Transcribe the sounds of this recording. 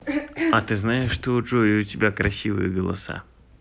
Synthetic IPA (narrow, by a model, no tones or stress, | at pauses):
ɐt̪ɨznajɪʂːt̪oʊt͡ʂojɪʊtʲɪbʲakɾɐsʲivɨ̰jəɡəlˠɐ̰sa̰